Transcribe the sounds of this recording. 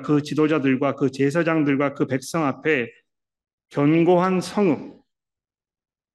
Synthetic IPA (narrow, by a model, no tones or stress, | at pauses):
kɯt͡ɕidod͡ʑadɯɭɡwakɯt͡ɕe̞s̬ʰad͡ʑaŋdɯɭɡwakɯpe̞k̚s͈ʌŋapʰe̞ | kjʌnɡoɦansʰʌŋɯŋ